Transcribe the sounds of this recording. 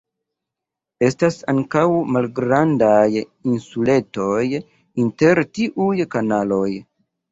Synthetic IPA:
e̞stasaŋkawmalɡɾandajinsule̞to̞j | inte̞ɾtiʔujkanalo̞j

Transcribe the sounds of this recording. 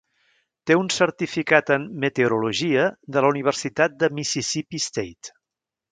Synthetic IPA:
t̪eunsəɾt̪ifikat̪əmːət̪euɾuluʒiəd̪ələuniβ̞əɾsit̪at̪̚d̪əmisisipist̪ejt̪

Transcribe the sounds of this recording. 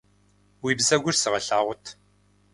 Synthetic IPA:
wiːbzɐɡʷʊrsɨʁɐɬaːʁʷʊtʰ

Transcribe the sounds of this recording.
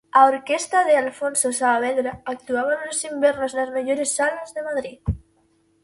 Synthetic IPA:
aoɾkest̪aðealfonsosaːβeɾaːk̚t̪uaβ̞anlosimbeɾnoznazmeʎoɾesːalazðemaðɾið

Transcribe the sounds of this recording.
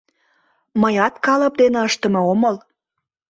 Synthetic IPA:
məjɑt̪kɑləp̚d̪eneəʃt̪əmooməl

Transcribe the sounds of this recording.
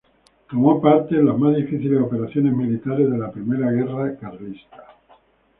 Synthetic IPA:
t̪omopaɾt̪elazmazðifiθilesope̞ɾaθjo̞ne̞zmilit̪aɾe̞zðe̞lapɾimeɾaɣ̞e̞rakaɾlist̪ḁ

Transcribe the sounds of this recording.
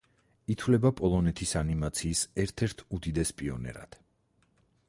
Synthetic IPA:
it̪ʰwlɛbapʼɔlˠɔnɛt̪ʰisanimat̪sʰiːsɛɾt̪ʰɛɾt̪ʰud̪id̪ɛspʼiɔ̰nɛ̰ɾa̰d̪̥

